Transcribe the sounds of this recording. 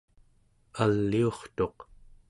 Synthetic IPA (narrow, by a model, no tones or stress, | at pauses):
alːio̞χt̪o̞q